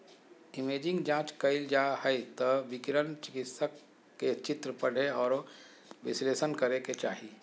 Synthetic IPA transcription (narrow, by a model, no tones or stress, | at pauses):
ɪmeːd͡ʒɪ̃ŋɡd͡ʒãːt͡ʃkɐɪld͡ʒaːhəjt̪ɐʋɪkɪɾənt͡ʃɪkɪt̪səkː | et͡ʃɪt̪ɾəpɐɽ̤eɔːɾ | ʋɪsleːsənkɐɾeket͡ʃaːɦiː